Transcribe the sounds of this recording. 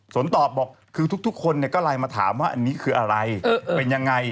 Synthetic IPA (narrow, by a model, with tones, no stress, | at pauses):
su˨˩˦ənt̪ɔː˨˩p̚bɔː˨˩k̚ʰːɯː˧t̪ʰu˦˥k̚t̪ʰu˦˥k̚ʰo˧nːi˧˩əkɔː˥˩laː˧jmaː˧t̪ʰa̰ː˩˦mwaː˥˩ʔa˧nːiː˦˥kʰɯː˧ʔa˧ɾa˧jːpe˧nja˧ŋːa˧j